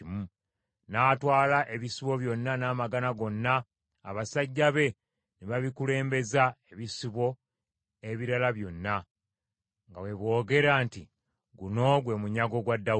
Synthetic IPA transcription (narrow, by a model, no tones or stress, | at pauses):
mu | naːtwaːlaʔe̞βisiβo̞βjo̞nːanaːmaɡanaɡo̞nːaː | βasaɟːaβe̞ | neβaβikule̞ːmbe̞zaeβisiβo̞ | e̞βiɾalaβjo̞nːa | ŋɡawe̞βwo̞ːɡe̞ɾanti | ɡuno̞ɡwe̞muɲaɡo̞ɡwadːa